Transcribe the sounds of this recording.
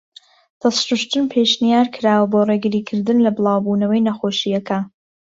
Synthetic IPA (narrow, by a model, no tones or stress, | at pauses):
d̪̥ɐsɾuʃt̪ɨnpʰeʃnijaːɾkʰɨɾaːwɐboːreɡɨɾiːkʰɨɾd̪ɨnlɐbɨlˠɑːwbuːnɐwɐjnɐxoːʃijɐkʰɐ